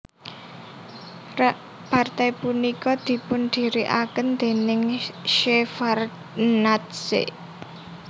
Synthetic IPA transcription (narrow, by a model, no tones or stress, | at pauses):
part̪ajpunikɔd̪̥i̤pʊnd̪̥i̤ɾiʔakənd̪̥e̤nɪŋʃefar | nat̪sḛ